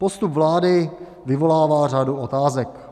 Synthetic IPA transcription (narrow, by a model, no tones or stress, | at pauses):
post̪upvlaːdɪ | vɪvo̞laːvaːraduot̪aːzɛk